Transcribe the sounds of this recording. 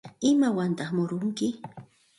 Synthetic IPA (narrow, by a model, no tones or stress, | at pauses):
ɪmawant̪aχmʊɾʊŋkɪ